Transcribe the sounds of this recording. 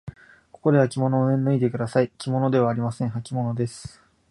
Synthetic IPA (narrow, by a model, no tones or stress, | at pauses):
ko̞ko̞d̪e̞akʲimo̞no̞ːẽnːɯ̟id̪e̞kɯ̟d̪asaikʲimo̞no̞d̪e̞β̞aːɾʲimasẽ̞ɰ̃ɦakʲimo̞no̞d̪e̞sɨ̥